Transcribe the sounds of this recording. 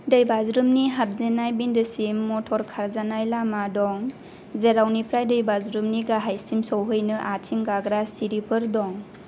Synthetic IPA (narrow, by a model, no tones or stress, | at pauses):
dəjbazɾɯmniɦap̚zenajbindɯsimːɔtʰɔɾkʰaɾzanajlamadɔŋ | zeɾawnipʰɾajdəjbazɾɯmniɡaɦajsimsɔwɦɯjnɯʔatʰiŋɡaɡɾasiɾipʰɯɾdɔŋ